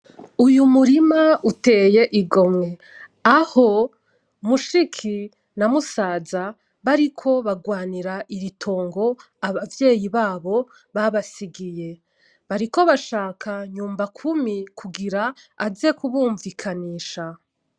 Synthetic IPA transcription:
ujumuɾimaute̞ːje̞ʔiɡo̞mŋe̞ | aho̞ | muʃikʰi | namusaːza | βaɾikʰo̞βaɡwaːniɾaʔiɾitʰo̞ːŋɡo̞ | aβavje̞ːjiβaːβo̞ | βaβasiɡije̞ | βaɾiko̞βaʃaːkʰaɲuːmbakʰumikʰuɡiɾaːze̞kuβuːɱvikʰaniːʃa

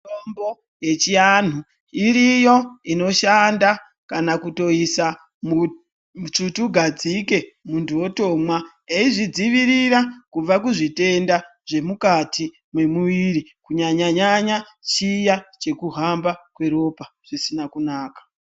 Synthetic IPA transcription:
tombo̞ | je̞t͡ʃian̤u | iɾijo̞ino̞ʃanda | kanakuto̞isa | mu | t͡ʃutuɡʱad͡zike̞muntʰuwo̞to̞mwa | eiʐid͡ziʋiɾiɾakub͡vakuʐite̞nda | ʐe̞mukatʰi | mwe̞muʋiɾikuɲaɲaɲaɲa | t͡ʃijat͡ʃe̞kuɦambakwe̞ɾo̞pa | ʐ̥isinakunaːkḁ

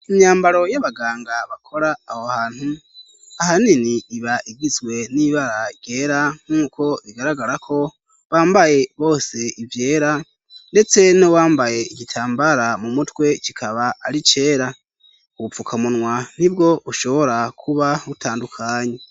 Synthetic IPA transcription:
imɲaːmbaɾo̞jaβaɡaːŋɡaβakʰo̞ɾaːhohaːn̥hu | ahaniniːβaʔiɡizɡwe̞niβaɾaɟe̞ːɾaŋ̥uːko̞βiɡaɾaɡaɾakʰo̞ | βaːmbaje̞βo̞ːse̞ivje̞ːɾa | nde̞t͡se̞nowaːmbaje̞iɡitʰaːmbaɾamumutwe̞cikʰaβaːɾit͡ʃe̞ːɾa | ufukʰamunwan̥ibɡo̞βuʃo̞βo̞ɾakʰuβautʰaːndukʰaːɲe

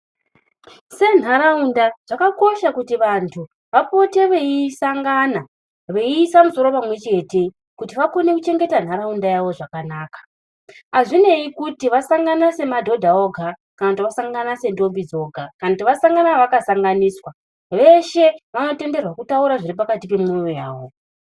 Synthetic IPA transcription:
se̞n̤aɾaundaʐ̥akako̞ʃakutiʋantʰu | ʋapo̞te̞ʋeisaŋɡana | ʋeisamuso̞ɾo̞pamwe̞t͡ʃe̞te̞ | kutiʋakone̞kut͡ʃe̞ŋɡe̞tan̤aɾaundajaʋo̞ʐakanaːkḁ | aʐine̞ikutiʋasaŋɡanase̞madʱo̞dʱaoɡʱa | kanatiʋasaŋɡanase̞ndo̞mbid͡zo̞ɡʱakanatiʋasaŋɡanaʋakasaŋɡaniːswa | ʋe̞ʃe̞ʋano̞te̞nde̞rwakutauɾaʐiripakatipe̞mujoja̰ːʋo̞

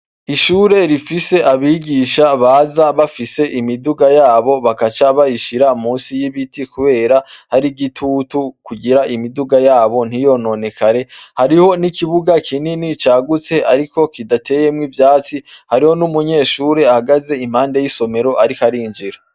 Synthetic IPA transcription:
iʃuːɾe̞ɾifise̞ʔaβiɡiʃaβaːzaβafise̞ʔimiduɡajaːβo̞βakat͡ʃaβajiʃiɾam̥uːnsijiβitikuβe̞ːɾahaɾiɡitʰutukuɡiɾaʔimiduɡajaːβo̞n̥ijo̞no̞ne̞kʰaɾe̞haɾiho̞nikiβuɡakʰininit͡ʃaːɡut͡se̞ʔaɾiko̞kidatʰe̞je̞mŋivjaːt͡sihaɾiho̞numuɲe̞ːʃuːɾe̞ahaɡaze̞im̥haːnde̞jiso̞me̞ɾo̞ʔaɾikaɾiːnd͡ʒiɾa

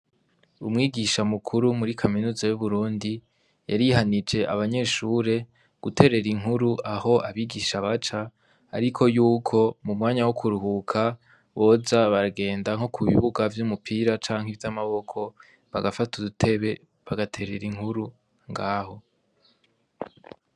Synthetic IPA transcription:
umŋiːɡiʃamukʰuɾumuɾikʰaminuːzajuβuɾuːndi | jaɾiɦanid͡ʒe̞ʔa̰βaɲe̞ːʃuɾe̞ | ɡ̥utʰe̞ɾe̞ɾiŋ̥ɦuɾuʔaho̞ʔaβiːɡiʃaβat͡ʃa̰ː | ɾikʰo̞juːkʰo̞mumŋaːɲawokʰuɾuhukʰa | βo̞ːzaβaɾaɡe̞ːndaŋho̞kʰuβḭβuɡavjumupʰiːɾat͡ʃaːŋ̥hivjamaβo̞kʰo̞ | βaɡafatudutʰe̞βe̞ | βaɡatʰe̞ɾe̞ɾiŋhuɾu | ŋɡaːho̞

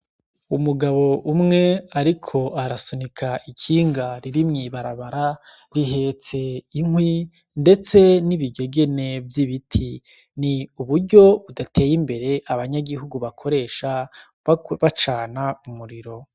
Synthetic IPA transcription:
umuɡaβo̞ʔumŋe̞aɾikʰo̞aɾasunikʰaʔikʰiːŋɡaɾiɾimŋiβaɾaβaɾa | ɾiɦe̞ːt͡se̞iŋwi | nde̞t͡se̞niβiɡe̞ɡe̞ne̞vjiβitʰi | niuβuɾɟo̞βudatʰe̞ːjimbe̞ɾe̞ʔaβaɲaɡiɦuɡuβakʰo̞ɾe̞ːʃa | βat͡ʃaːnamumuɾiɾo̞

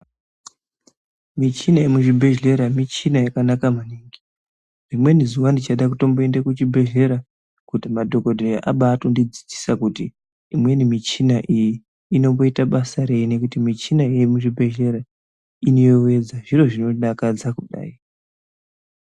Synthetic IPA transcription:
mit͡ʃinaemuʐibʱe̞ʒe̞ɾamit͡ʃinajakanakamaniŋɡi | rimwe̞nizuwandit͡ʃaɗakuto̞mboendekut͡ʃibʱe̞ʒe̞ɾa | kutimadʱo̞ko̞dʱerʔaɓaːtondid͡zi̥d͡zi̥sakutiː | mwe̞nimit͡ʃinaʔijiː | no̞mbo̞itaɓasaɾe̞jine̞kutimit͡ʃinaejimuʐibʱe̞ʒe̞ɾa | ino̞jowe̞d͡zaʐiro̞ʐino̞ɗakad͡zakuɗa̰ːi

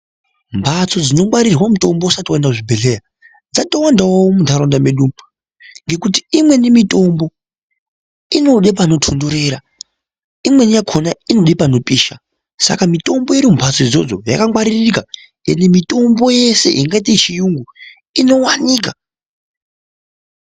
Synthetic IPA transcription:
mpʰat͡so̞d͡zino̞ŋwaɾirwamuto̞mbousatiwandakʐibʱeɬeja | d͡zatowandawawomundaɾondameɗum | ŋɡe̞kutiimwe̞nimito̞mbo̞ | ino̞ɗep̬ano̞tʰondoɾe̞ɾa | imwe̞njakʰonainoɗipano̞pʼiːʃa | sa̰kamito̞mboiɾimpʰat͡so̞id͡zo̞d͡zoja̰kaŋwaɾirika | ŋɡenimito̞mbo̞je̞se̞̰ʔiŋɡaitet͡ʃijuŋɡu | ino̞waniːka

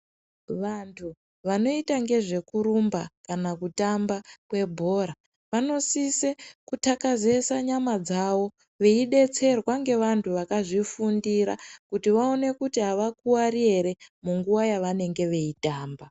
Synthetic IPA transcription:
ʋantʰu | ʋano̞itaŋɡe̞ʐe̞kuɾumbakanakutambakwe̞bʱo̞ɾa | ʋano̞sisekutakaze̞saɲamad͡zawo̞ | ʋeiɗe̞t͡se̞rwaŋɡe̞ʋantʰuʋakaʐifundiɾakutiʋao̞ne̞kutiɦaʋakuwarieɾe̞muŋɡuwajaʋane̞ŋɡe̞ʋe̞itaːmba

